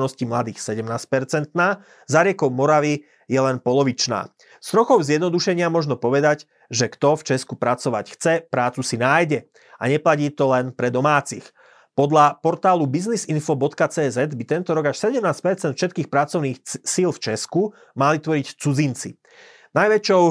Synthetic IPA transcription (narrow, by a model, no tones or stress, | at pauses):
nɔscimlad̪iːxsɛɟɛmnaːsc̚pɛɾt͡sɛnt̪naː | zaɾɪɛkɔʊmɔɾaʋi | jɛlɛnpɔlɔʋit͡ʃna̰ː | st̪ɾɔxɔʊzɪjɛd̪nɔd̪uʃɛɲɪamɔʒnɔpɔʋɛd̪aɟ | ʒɛkt̪ɔft͡ʃɛskupɾat͡sɔʋa̰cxt͡sɛpɾaːt͡susinaːjɟɛ | aɲɛplaciːt̪ɔlɛnpɾɛd̪ɔmaːt͡six | pɔd̪lapɔɾt̪aːlubiznizinfɔbɔt̪kat͡sɛːzɛd̪bit̪ɛnt̪ɔɾɔɡaʃsɛɟɛmnaːsc̚pɛɾt͡sɛnt̪fʃɛt̪̚kiːxpɾat͡sɔʊniːxsilft͡ʃɛsku | malit̪ʋɔɾict͡sud͡zint͡sḭ | najʋɛt͡ʃɔʊ